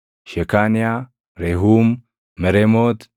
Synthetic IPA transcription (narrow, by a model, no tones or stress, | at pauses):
ʃekania | ɾeɦumː | ɛɾemot̪